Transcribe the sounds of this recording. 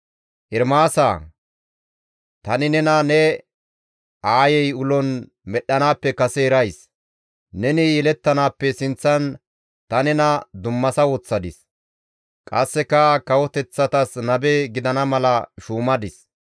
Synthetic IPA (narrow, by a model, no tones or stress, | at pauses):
ʔɪɾmaːsa̰ː | t̪ɐnɪnɛnɐnɛ | ʔaːjɛjʊlɔn | mɛɗːɐnaːpːɛkɐsɛɛɾɐjs | nɛnɪjɛlɛt̪ːɐnaːpːɛsɪnt͡sːɐn | t̪ɐnɛnɐd̪ʊmːɐsɐwɔt͡sːɐd̪ɪs | kʼɐsːɛkɐkɐwɔt̪ɛt͡sːɐt̪ɐsnɐbeɡɪd̪ɐnɐmɐlɐʃuːmɐd̪ɪs